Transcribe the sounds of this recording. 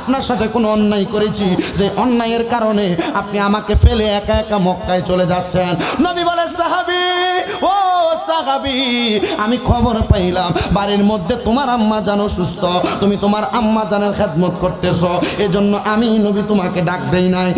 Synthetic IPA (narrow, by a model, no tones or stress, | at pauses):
apnaɾʃat̪ʰekonoɔnːajkoɾet͡ɕʰid͡ʑejʔɔnːajeɾkaɾoneap̚niamakefeleɛkaɛk̚ʈamɔkːajt͡ɕoled͡ʑatːɕʰennobibɔlesaɦabiosaɦabiamikʰɔboɾpajlambaɾiɾmod̪ʱːet̪omaɾamːad͡ʑanoʃust̪ot̪umit̪omaɾamːad͡ʑaneɾxʰed̪mot̪̚koɾt̪esʰɔed͡ʑonːoʔaminobit̪omakeɖak̚d̪ejnaj